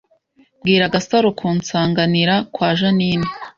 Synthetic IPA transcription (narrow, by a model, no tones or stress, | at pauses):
bɡiːɾaɡasaɾokʰuːnt͡saːŋɡaniɾakwaːʒanine